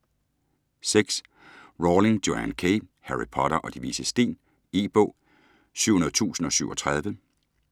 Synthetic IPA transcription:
seɡ̥s | ʁoːle̝ŋd̥oænkʰehæʁipʰɒ̽ɾɐʔɒ̽d̥iʋiːsəsd̥e̝̰ːn | iːb̥ɔ̰̽ː | sy̰ʊ̰hunɐðˠt͡sʰṵːsn̩ɒ̽syʊɒ̽t͡sʰʁɑ̈ð̞ˠʋə

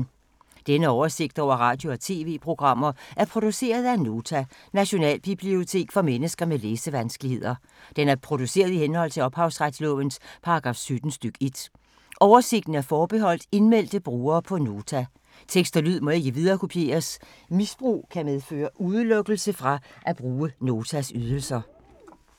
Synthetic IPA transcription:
d̥enəɒʊɐse̝ɡ̥̚d̥ɒ̰ʊ̰ɐʁɑ̈d̥jo̝ɒt͡sʰe̝̰ːʋe̝̰ːpʰʁo̝ɡ̥ʁɑ̈m̰ɐʔæɐpʰʁo̝d̥use̝̰ːɐð̞ˠæno̝ːt͡sʰænæɕo̝nɛ̰ːlb̥ib̥lio̝t͡sʰe̝̰ːɡ̥fɒ̽menəsɡ̥ɐmeleːsəʋænsɡ̥əlihe̝ð̞̰ˠɐ | d̥enæɐpʰʁo̝d̥use̝̰ːɐð̞ˠihenhɒ̽l̰t͡sʰe̝lɒ̽b̥hɑ̈ʊsʁad̥slɔ̰̽ʋənspʰɑ̈ɡ̥ʁɑ̈ːfsyd̥n̩sd̥yɡ̥əe̝d̥ | ʔɒʊɐse̝ɡ̥d̥n̩æɐfɒːb̥e̝ɦɒ̽l̰d̥e̝nmel̰d̥əb̥ʁuːɐːpʰɒ̽no̝ːt͡sʰæ | t͡sʰeɡ̥sd̥ɐlyð̰ˠmɒ̽e̝ɡ̥əʋið̞ˠɐːkʰo̝pʰje̝̰ːɐs | misb̥ʁṵːkʰæmeðˠfø̰ːɐʔuð̞ˠəlɔ̽ɡ̥l̩səfʁɑ̈ʔæb̥ʁuːəno̝ːt͡sʰæsyð̞ˠəl̩sɐ

